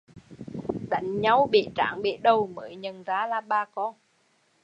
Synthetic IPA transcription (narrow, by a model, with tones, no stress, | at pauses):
ɗa̰˧˨˦jŋ̟ɲa˨˧wɓḭ˧˨t͡ɕa̰ː˧˩˦ŋɓḭ˧˨ɗə˨˩wməː˨˦jɲə˨˩nzaː˨˦laː˧˩ɓaː˧kɔ˧n